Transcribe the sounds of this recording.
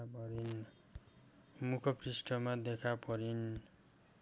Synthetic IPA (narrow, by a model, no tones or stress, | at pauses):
pʌɾin | mukʰʌkrisʈʌmad̪ekʰapʌɾin